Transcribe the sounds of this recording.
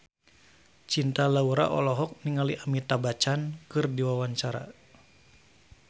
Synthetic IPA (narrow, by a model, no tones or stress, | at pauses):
t͡ʃint̪alauɾa̰ʔɔ̰lɔɦɔk̚niŋaliʔamit̪abat͡ʃankɨrdiwawaɲt͡ʃaɾa̰